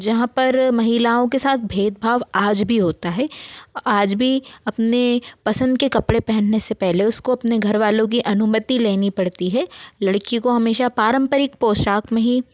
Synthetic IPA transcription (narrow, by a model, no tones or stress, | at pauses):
d͡ʒɐɦãpɐɾmɐɦilaːõkesaːt̪̚ʰbʱeːd̪̚bʱaːʋaːd͡ʒbʱiɦoːt̪aɦɛːaːd͡ʒbʱiɐpnepɐsə̃nd̪̚kekɐpɽepɛɦɛ̃nnesepɛɦleʊskoɐpneɡʱɐɾʋaːlõk̬iʔɐnʊmət̪ileːnipɐɽt̪iɦɛlɐɽkikoɦɐmeːʃapaːɾə̃mpəɾɪk̚poːʃaːkmẽɦi